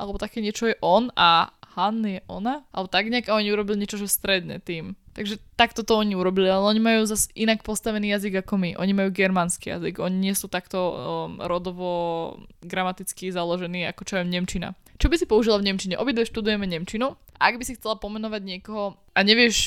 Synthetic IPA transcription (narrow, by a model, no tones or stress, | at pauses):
ʔalɛbɔt̪akɛːɲɪɛt͡ʃɔjɛʔɔnʔahanːijɛʔɔ̰naʔalɛbɔt̪aɡɲɪaɡaɔɲiuɾɔbiliɲɪɛt͡ʃɔʒɛst̪ɾɛd̪ɲɛ̰t̪iːmt̪aɡʒɛt̪akt̪ɔt̪ɔɔɲiuɾɔbilialɛɔɲimajuːzasʔinakpɔst̪aʋɛniːjaziɡakɔmiʔɔɲimajuːɡɛɾmanskiːja̰ziɡɔɲiɲɪɛsuːt̪akt̪ɔɾɔd̪ɔʋɔ | ɡɾamat̪it͡skizalɔʒɛniːa̰kɔt͡ʃɔɔmɲɛmt͡ʃina̰ | t͡ʃɔbisipɔuʒilavɲɛmt͡ʃiɲɛʔɔbid̪ʋɛʃt̪ud̪ujɛmɛɲɛmt͡ʃinu | ʔa̰aɡbisixt͡sɛlapɔmɛnɔʋaɟɲɪɛkɔɦɔ | ʔaɲɛʋɪɛʃ